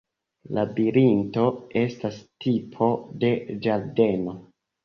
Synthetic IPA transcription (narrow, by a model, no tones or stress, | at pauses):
labiɾinto̞e̞stastipʰo̞de̞d͡ʒaɾde̞no̞